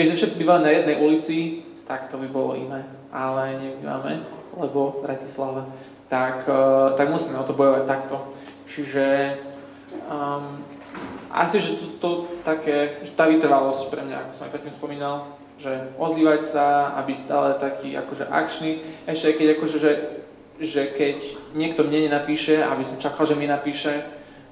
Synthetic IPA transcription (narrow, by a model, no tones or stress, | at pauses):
ɛʒɛfʃɛt̪t͡sibiːʋalɛnajɛd̪nɛjʔulit͡si | t̪akt̪ɔbibɔlɔ̰ḭnɛː | ʔalɛɲɛbima̰mɛ̰lɛbɔbɾacislaʋɛ | t̪akt̪aɡmusiːmɛɔt̪ɔbɔjɔʋac̚t̪akt̪ɔ | t͡ʃiʒɛ | ʔa̰siʒɛt̪ɔt̪ɔt̪akɛʒɛt̪aːʋit̪r̩ʋalɔscpɾɛmɲa̰a̰kɔsɔmajpɾɛt̪ːimspɔmiːnalˠ | ʒɛɔziːʋacsaa̰bicst̪a̰ːlɛt̪akʰiːʔa̰kɔʒɛ̰ʔa̰kt͡ʃniɛʃcɛɪkɛɟakɔʒɛʒɛ | ʒɛkɛcɲɪɛkt̪ɔmɲɛɲɛnapiːʃɛa̰bisɔmt͡ʃakalʒɛmɛnapiːʃɛ